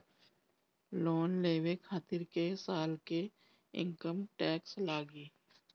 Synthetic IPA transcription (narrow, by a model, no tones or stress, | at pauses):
loːnleːʋekʰaːt̪ɪɾkesaːlke | ɪ̰̃ŋkəmʈɛːkslaːɡiː